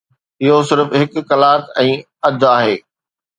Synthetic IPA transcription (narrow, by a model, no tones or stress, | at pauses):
ɪɦos̬ɪɾəfɦɪkʊ̆ːɐlaːt̪ɛ̃ː | ɐd̪ʱaːɦeː